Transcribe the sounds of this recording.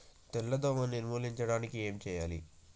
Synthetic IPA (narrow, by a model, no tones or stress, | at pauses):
t̪ɛlːɐd̪oːmɐnːinmuːliɲt͡ʃɐɽaːnikie̞ːmt͡ʃɛːjaːlḭ